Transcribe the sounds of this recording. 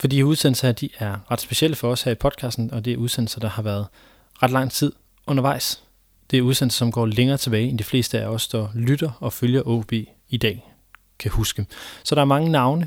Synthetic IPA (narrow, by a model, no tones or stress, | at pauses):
fɒd̥ḭuð̞ˠsenl̩sɐd̥iʔæɐʁɑ̈d̥sb̥e̝ɕiel̰əfɒ̽ɒ̽shæɐipʰɒ̽d̥̚kʰɑ̈ːsd̥n̩ɒ̽d̥e̝æɐuð̞ˠsen̰l̩sɐd̥ɑ̈hɑ̈ʋæɐð̞̩ˠ | ʁɑ̈d̥lɑ̈ŋ̰t͡sʰið̞̰ˠ | ɔ̽nɐʋɑ̈ɪ̰s | d̥e̝æɐuð̞ˠsenl̩sɐ̥sɒ̽mɡ̥ɒ̰ːleŋɐːt͡sʰe̝b̥ɛːɪend̥ifle̝̰ːsd̥əæɒ̽səd̥ɒlyd̥ɐɒ̽føljɐʔɔ̰ːb̥e̝̰ː | id̥ɛ̰ː | kʰæhusɡ̥əsɒ̽ɾ̥ɑ̈æɐmɑ̈ŋənɑ̈ʊnə